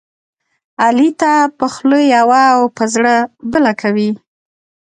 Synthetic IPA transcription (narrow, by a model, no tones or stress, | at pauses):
alit̪apəxləjawaːwpəzɽəbəlakʰawi